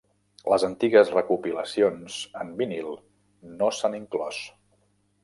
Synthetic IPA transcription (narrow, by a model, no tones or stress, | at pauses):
ləzənt̪iɣəzrəkupiləsionz̥əmbinilˠ | nosaniŋklɔs